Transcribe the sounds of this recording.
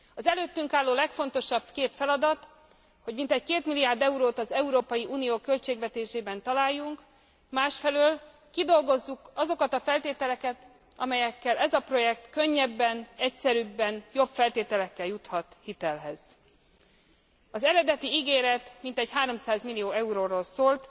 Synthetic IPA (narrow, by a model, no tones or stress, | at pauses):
ɒzɛløːt̪ːyŋkaːlːoːlɛkfo̞nt̪o̞ʃɒb̥keːt̪fɛlɒd̪ɒt̪ | ho̞ɟmint̪ɛckeːt̪milːijaːrd̪ɛuɾoːt̪ɒzɛuɾoːpɒjiʔuːnijoːkø̞lt͡ʃeːɡvɛt̪eːʃeːbɛnt̪ɒlaːjːuŋk | maːʃfɛløːl | kid̪o̞lɡo̞zːukɒzo̞kɒt̪ɒfɛlt̪eːt̪ɛlɛkɛt̪ | ɒmɛjɛkːɛlɛzɒpro̞jɛk̚t̪kø̞ɲːɛbːɛnɛcsɛɾybːɛnjo̞bfɛlt̪eːt̪ɛlɛkːɛljut̪hɒt̪hit̪ɛlɦɛz̥ | ɒzɛɾɛd̪ɛt̪iiɡeːɾɛt̪mint̪ɛcɦaːɾo̞msaːzmilijoːɛuɾoːɾoːlsoːlt̪